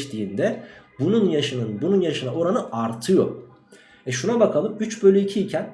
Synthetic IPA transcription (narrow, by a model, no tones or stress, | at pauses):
t̪ʰiːnd̪ɛbununjaʃɯnɯnbununjaʃɯnao̞ɾanɯʔaɾt̪ʰɯjo̞ɾ | ɛʃunabakʰalˠɯmyt͡ʃbø̞lʲyicʰiːcʰæn